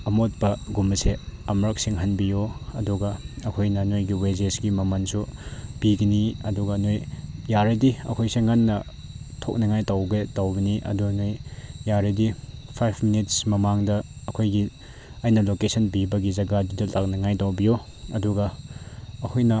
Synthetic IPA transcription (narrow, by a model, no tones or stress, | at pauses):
ɐmot̚pɐɡumɐseɐmɾɐk̚siŋɦɐnbijoɐduɡɐɐkʰojnɐnojɡiwezesɡimɐmɐnsub̥iɡɐniɐduɡɐnojjaɾɐdiɐ̰kʰojseŋanːɐ | tʰok̚nɐŋajtɐwɡetɐwbɐniʔɐ̰dunojjaɾɐdipʰajpʰminit̚smɐmaŋdɐːkʰojɡi | ɐjnɐlokesɐnbibɐɡizɐɡɐdudɐlak̚nɐŋajtɐwbijo | ɐduɡɐː | kʰojnɐ